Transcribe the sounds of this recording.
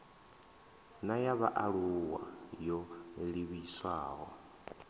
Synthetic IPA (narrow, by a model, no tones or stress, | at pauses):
najaβa̰ʔaɺuwa̰jɔliβiswaːɦɔ̰